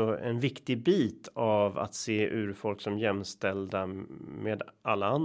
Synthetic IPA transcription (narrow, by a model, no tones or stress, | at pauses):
ɔɛ̰nvɪkt̪ɪbiːt̪ʰava̰t̪seːʔʉ̟ːɾfɔlksɔmjɛmːst̪ɛld̪ameːd̪alːaan